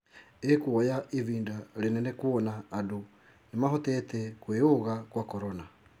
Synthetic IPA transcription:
ekwɔjaʔiviːndaɾenɛnɛkuɔnaːdu | nemahɔtɛtɛkweoɣakwakɔɾɔna

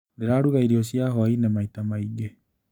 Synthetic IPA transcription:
neɾaːɾuɣaiɾiosjaɦɔainemaitamaiɡe

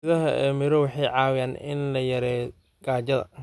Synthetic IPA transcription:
ʊðɐɦɐʔɛ̰mɪɾɔwɑħɑjʕɑːwɪjaːnɪnlɐjɐɾɛː | ɡ̥aːt͡ʃɐðɐ̰

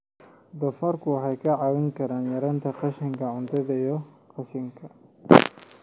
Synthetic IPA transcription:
d̪ɐfɐrkʰʊwɑħɑjkʰɐʕɑwɪŋkʰɐɾaːnjɐɾɐːnt̪ʰɐqɑʃɪŋkʰɐʕʊnt̪ʰɐðɐjɔqʰɑʃɪŋkʰɐ

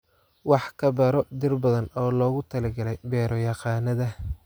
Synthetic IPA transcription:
wɑħkʰɐbɐɾɔd̪ɪrbɐðɐnɔːlɔːɣʊt̪ʰɐlɐɡɐlɛjbɛːɾɔjɑqɑːnɐðɐ

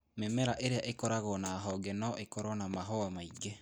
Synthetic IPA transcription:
memɛɾaʔeɾeaʔekɔɾaɣɔnaɦɔɡɛnɔʔekɔɾɔnamaɦɔamaiɡe

